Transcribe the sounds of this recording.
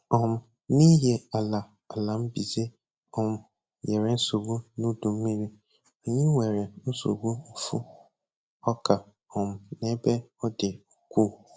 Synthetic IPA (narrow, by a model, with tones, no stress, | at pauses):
ɔ̃˨m˨ | nĩ˦jɛ˨a˨la˨ | a˨lã˨˦m̩˦bi˨ze˦ | ɔ̃˨m˨ | jɛ˨ɾɛ̃˨n̩˦so˨ɡu˦nʊ̃˦dũ˨m˦mĩ˦ɾi˦ | ɔ˨ɲĩ˦wɛ˨ɾɪ˨˦so̰˨ɡu˦m̩˦fṵ˦ | ɔ˦kʰa˨ | ɔ̃˨m˨nɛ̃˨˦bɛ˦ɔ˦dɪ˨kʰʷu˦